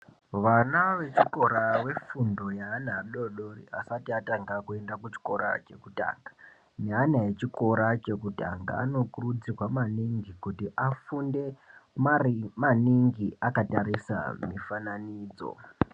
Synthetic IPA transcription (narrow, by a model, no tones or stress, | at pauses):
ʋanaʋe̞t͡ʃiko̞ɾawe̞fundo̞jaːnaɗo̞ɗorḭasatiataŋɡakue̞ndakut͡ʃi̥ko̞ɾa̰t͡ʃe̞kuta̰ːŋɡḁ | nanaje̞t͡ʃiko̞ɾat͡ʃe̞kuta̰ŋɡa̰ːno̞kurud͡zirwamaniŋɡikutiʔafunde̞ | maniŋɡiakataɾisa̰mifananiːd͡zo̞̰